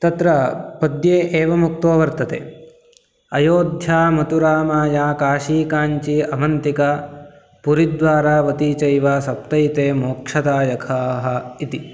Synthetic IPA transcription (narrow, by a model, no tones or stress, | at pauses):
t̪ɐt̪ɾɐpɐd̪jeːʔeːʋɐmuk̚t̪oːʋɐɾt̪ɐt̪ḛː | ɐjoːd̪ʱjaːmɐt̪uɾaːmaːjaːkaːʂiːkaːɲt͡ʃiɐmɐnt̪ika | puɾid̪ʋaːɾaːʋɐt̪iːt͡ʃɐjʋaːsɐp̚t̪ɐit̪eːmoːkʂɐd̪aːjɐkʰaːɦɐit̪i